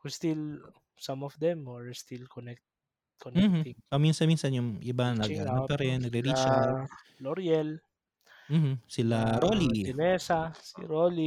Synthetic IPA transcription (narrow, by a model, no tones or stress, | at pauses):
hust̪il | sɐ̃mɔfd̪ɛmwɛɹst̪ilkɔnɛk̚t̪ | kʰonɛm̩ɪŋsominsɐnminsɐnjʊŋʔɪbanɐɡanɐpɐɾɛnːɐɡɾɪɾid͡ʒaloɾjɛl | m̩m̩sɪlaɾoːliɛnɛsasḭɾoːli